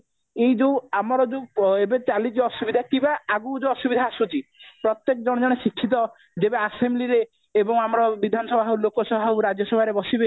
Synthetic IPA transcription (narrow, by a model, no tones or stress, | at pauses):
ejd͡ʒowamɔɾɔd͡ʒoebet͡ʃalid͡ʒɔsubid̪ʱakĩbaaɡud͡ʒoɔsubid̪ʱaːsut͡ʃipɾɔt̪jekɔd͡ʒɔɽ̃ɔd͡ʒɔɽ̃eʃikʰːit̪̬ɔ | d͡ʒebeasemliɾeː | bɔŋamɔɾɔbid̪ʱanɔsɔbʱaɦulokɔsɔbʱawɾad͡ʒɔsɔbʱaɾebɔsibe